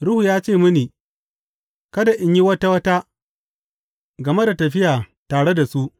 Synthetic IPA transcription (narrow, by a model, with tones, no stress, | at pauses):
ɽʊ˦huː˨jaː˦t͡ʃeː˦˨mʊ˦niː˨ | kɐ˦da˨ʔɪ˦ɲji˦wɐ˦ta˦wɐ˦ta˦ | ɡɐ˨me˦da˨tɐ˨ɸɪ˦jaː˨taː˨ɽe˦da˨su˦ʔ